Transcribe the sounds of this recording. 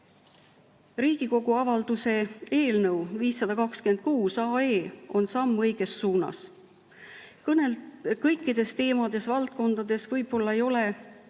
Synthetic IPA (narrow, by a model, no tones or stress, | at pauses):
riːɡ̥iko̞ɡ̥uɑvɑld̪̥use̞e̞ːlnɤwviːsːɑd̪̥ɑkɑkskymend̪̚kuːsɑːe̞ːo̞nsɑmːɤjɡ̥e̞sːuːnɑ̰s | kɤnekɤjkːˑid̪̥e̞st̪e̞ːmɑd̪̥e̞svɑlt̪̚ko̞nd̪̥ɑd̪̥esvɤjb̥o̞lːɑe̞jo̞le